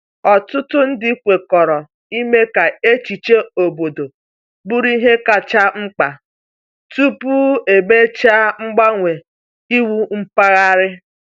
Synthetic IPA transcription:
ɔ˨tʊ˦tʊ˦n̩˦dɪ˦kʷe˨kɔ˨ɾɔ˨ | i˦me˦ka˨e˦t͡ʃi˨t͡ʃe˦o˨bo˨do˨ | bu˦ɾi˦ɦe˦ka˨t͡ʃa˦ŋ͡m̩˦k͡pa˨ | tu˦pu˦e˨be˦t͡ʃa˦ŋ͡m̩˦ɡ͡ba˦ŋʷe˨ | i˦wu˦ŋ͡m̩˦pa˦ɣa˦ɾɪ˦

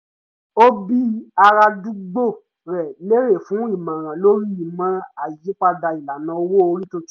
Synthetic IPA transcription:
o˦bi˦a˧ɾa˧du˦ɡ͡bo˦˨ | ɾɛ˨le˦ɾe˦˨fũ˨˦i˦˨mã˨ɾ̃ã˨lo˦ɾi˦i˨mã˦a˦˨ji˨˦k͡pa˦da˧i˨la˨nã˨˧˦wo˦o˧ɾi˦to˧˦

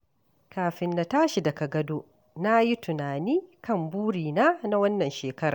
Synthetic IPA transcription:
kaː˨ɸɪ˨nːa˨taː˦ʃi˨dɐ˨ka˨ɡɐ˦doː˦ʔ | na˦ji˦tʊ˨naː˨niː˦kɐ˦˨mbuː˦ɽiː˨naː˦na˦wɐ˦nːɐ˨nʃeː˨kɐ˦ɾaː˨

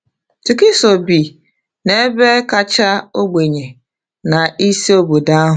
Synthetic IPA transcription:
tu˨ki˦so˨bi˨ | ne˦be˦ka˦t͡ʃa˦o˦ɡ͡be˨ɲe˨ | na˨i˦si˦o˦bo˨da˦ɦ

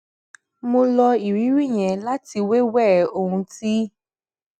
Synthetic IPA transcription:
mo˧lɔ˧i˨ɾi˨˦ɾi˦ɲɛ˨la˦ti˧we˦wɛ˦˨o˦ɦũ˧ti˦

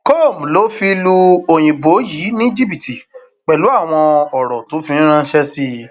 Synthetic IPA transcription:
ko˦˨m̩˨lo˦fi˧lu˧o˨j̃ĩ˨bo˨˦jiː˨˦nĩ˦d͡ʒi˦bi˨ti˨ | k͡pɛ˨lu˨˦a˦˨w̃ɔ̃˧ɔ˨ɾɔ˨tõ˨˦fi˧nĩ˦ɾ̃ã˦ʃɛ˦si˧

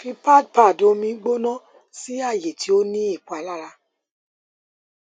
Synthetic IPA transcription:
fi˧pa˦˨d̚pa˦˨do˧mĩ˧˦ɡ͡bo˦nɔ̃˦ | si˦a˦˨je˨ti˨˦o˦nĩ˦i˦˨ku˨a˨la˦ɾa˧

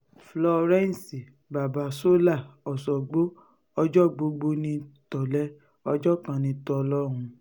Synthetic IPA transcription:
flɔ˧ɾɛ̃˦n˨si˨ | ba˨ba˨so˦la˦˨ɔ˨sɔ˨ɡ͡bo˦ | ɔ˧d͡ʒɔ˦˨ɡ͡bo˧ɡ͡bo˧nĩ˧tɔ˨lɛ˨˦ | ɔ˧d͡ʒɔ˦kã˨˧nĩ˧˦tɔ˧lɔ˦˨ɾ̃ũ˧

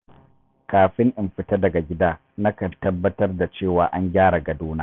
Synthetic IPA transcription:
kaː˨ɸɪ˦ŋʔɪ˨mɸɪ˨ta˦dɐ˨ɡa˨ɡʲɪ˦daː˦ | nɐ˦kɐ˨tɐ˦bːɐ˦tɐ˦rda˨t͡ʃeː˦˨waː˨ʔa˦ŋɡʲaː˦ɽa˨ɡɐ˨duː˦naː˦

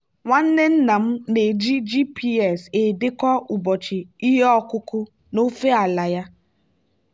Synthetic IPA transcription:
ŋʷa˦n̩˦ne˦n̩˦na˨m̩˦ne˨d͡ʒi˦d͡ʒi˦pʰi˦ɛ˨se˨dɪ˦kɔ˦u˨bɔ˨t͡ʃɪ˨i˦ɦe˦ɔ˦kʊ˦kʊ˦ | no˦fe˦a˨la˨ja˦

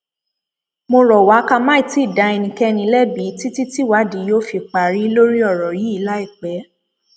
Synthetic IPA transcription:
mo˧ɾɔ˨wa˨˦ka˧mãː˦ĩ˦˨˦ti˦˨da˨˧˦ɛ˧nĩ˧˨kɛ˦˧nĩ˧˦lɛ˦bi˨˦ti˦ti˦ti˦wa˨˦di˨˦jo˦fi˧k͡pa˨ɾi˨˦lo˦ɾi˦ɔ˦˨ɾɔ˨ji˨˦i˧la˦i˦˨k͡pɛ˨˦

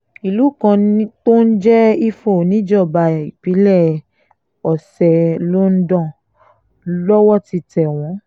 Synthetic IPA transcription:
i˨lu˨˦˨kã˧˦to˦n̩˦d͡ʒɛ˦i˦fo˦˨nĩ˦d͡ʒɔ˦˨ba˧˨i˨pi˨˦lɛ˦˨ | ɔ˨sɛ˨lo˦n̩˦dɔ̃˦˨ | lɔ˦wɔ˦ti˧tɛ˨w̃ɔ̃˨˦

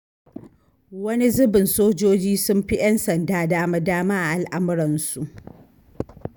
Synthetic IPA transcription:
wɐ˦ni˦zʊ˦bɪ˨nsoː˦d͡ʒoː˦d͡ʒiː˦sʊ˦mɸi˦jɐ˦nsɐ˨ndaː˦daː˦ma˦daː˦maː˦ʔa˨ʔa˨lʔa˦m˦ɾɐ˨nsu˨ʔ

